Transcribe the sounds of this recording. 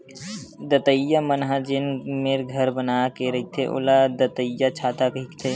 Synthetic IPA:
d̪ət̪əjːamənɦad͡ʒɪnmeɾɡʱəɾbənaːkeɾɐit̪ʰeʔʊ̰lad̪ət̪əjat͡ʃʰaːt̪akikt̪ʰe

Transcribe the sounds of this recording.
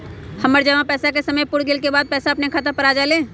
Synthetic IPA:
həməɾd͡ʒəʋãpɛːsakesəməjpʊɽɡɪlkebaːd̪̚pɛːsaɐpnekʰaːt̪əpəɾaːd͡ʒalẽː

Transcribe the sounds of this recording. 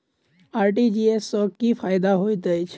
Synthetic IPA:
aɾʈid͡ʒiesːɔkːifaːjd̪aɦojt̪əjt͡ʃʰ

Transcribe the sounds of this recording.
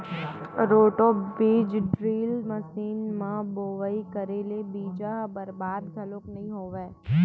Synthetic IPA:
ɾoːʈobiːd͡ʒɖɾiːlməsiːnmãboːʋaikəɾelebiːd͡ʒaɦbəɾbaːd̪ɡ̪ʱəloːknɐɦĩɦoːʋeː

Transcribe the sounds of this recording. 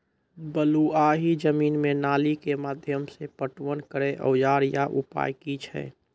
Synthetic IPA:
bəluaɦid͡ʒəmiːnmenaːlikemaːd̪ʱjəmsepəʈwənkəɾeʔə̰jaːɾjaʔupa̰ːjkit͡ʃʰɛ̰

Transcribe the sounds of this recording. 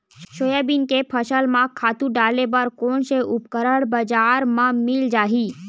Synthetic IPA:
ʃoːjabinkepʰəʃəlmãkʰaːt̪ũɖaːlebɐɾkoːnseʔʊpkəɾəɽbəd͡ʒaːɾmãmɪld͡ʒaːɦi

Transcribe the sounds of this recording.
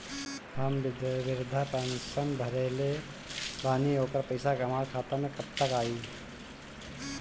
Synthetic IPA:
hɐmdʋɪɾʊd̪ʱːapɛnsənbʱɐɾeːle | baːniɦoːkəɾpəɪsakɐmaːɾkʰaːt̪ɐmekɐɾt̪əkaːiː

